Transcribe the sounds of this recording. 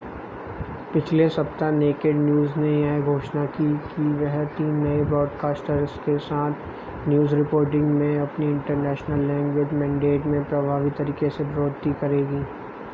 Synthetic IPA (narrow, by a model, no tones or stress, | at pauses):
pɪt͡ʃʰlesɐpt̪aneːkeːɖnjuːznejaɦeɡʱoːʃnakikiʋɛɦt̪iːnːɐebɾɔːɖkaːsʈəɾskesaːt̪ʰ | njuːzɾɪpoːɾʈ̬ɪ̃ŋɡmẽɐpniɪ̃ɳʈəɾnɛːʃnəlːɛ̃ːŋɡʋeːd͡ʒmɛ̃ːɳɖeːʈmẽpɾɐbʱaːʋit̪ɐɾiːkesebɾoːd̪t̪ikɐɾeːɡiː